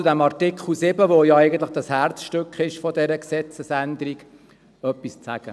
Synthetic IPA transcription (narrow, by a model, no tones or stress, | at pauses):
ud̪æmɑrtɪkʰχl̩sɪbəʋojɑæɪɡən̩t̪ləχd̥̪ɑshærtt͡sʃtʏkχɪʃfɔd̪ɛɾəksɛt͡səsænd̪əɾiɡ | œpːist͡sæ̰ɡ̥ə̰